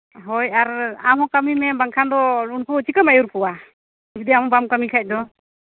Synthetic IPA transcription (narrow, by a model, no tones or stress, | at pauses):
ɦɔjaɾamɦɔkamimɛbaŋkʰand̪ɔɾunkuːt͡ʃʰikamajuɾkɔwa | d͡ʒud̪iamɔbamkamikʰajc̚d̪ɔ